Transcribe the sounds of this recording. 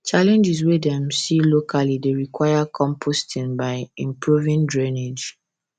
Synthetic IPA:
t͡ʃalɛ̃nd͡ʒiswedɛ̃msilokʰalideɹikwajakʰɔ̃mpʰostʰĩnbaɪĩmpɹuvĩndɹɛned͡ʒ

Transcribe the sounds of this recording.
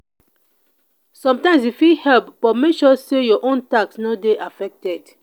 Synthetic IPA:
sɔ̃mtãɪmsifihɛlpb̥ɔmekʃɔsejɔʔõntaksnɔdeʔafɛk̚tɛd̥

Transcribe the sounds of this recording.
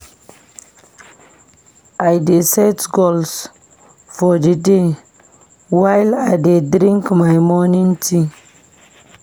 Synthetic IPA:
ʔajdesadɡols | fɔdide | wajlajdedɾĩŋkmajmɔnĩŋtʰi

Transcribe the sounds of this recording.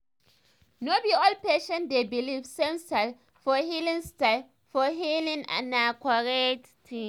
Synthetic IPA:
nobiɔlpeʃɛ̃ndebilivsẽmstal | fɔhilĩŋstal | fɔɦilĩŋã̰nakaɹɛt | tʰĩ

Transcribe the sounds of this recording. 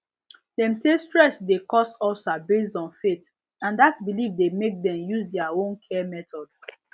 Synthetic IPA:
dɛ̃msestɹɛsdekɔsɔsabes̬dɔ̃nfet | ãndatbilivdemek̚dɛ̃mjuzdɛaõnkʰɛmɛtɔd

